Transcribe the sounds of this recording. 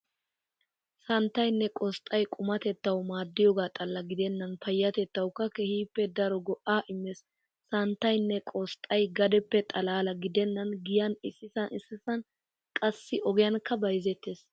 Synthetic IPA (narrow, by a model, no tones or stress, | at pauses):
sɐnt̪ːɐjnːɛkʼɔst̪ʼɐjkʼʊmɐt̪ɛt̪ːɐwmaːd̪ːɪjɔːɡaːt̪ʼɐlːɐɡɪd̪ɛnːɐnfɐjːɐt̪ɛt̪ːɐwkːɐkɛhiːpːɛd̪ɐɾɔɡɔʔaːʔɪmːɛsː | ɐnt̪ːɐjnːɛkʼɔst̪ʼːɐjɡɐd̪ɛpːɛt̪ʼɐlaːlɐɡɪd̪ɛnːɐnɡɪjɐnɪsːɪsɐnɪsːɪsɐn | kʼɐsːɪʔɔɡɪjɐnkːɐbɐjzɛt̪ːeːs